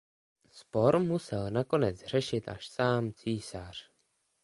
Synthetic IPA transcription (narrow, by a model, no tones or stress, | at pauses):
spoɾmusɛlnakonɛt͡sr̝ɛʃɪt̪a̰ʃsaːmt͡siːsar̝̥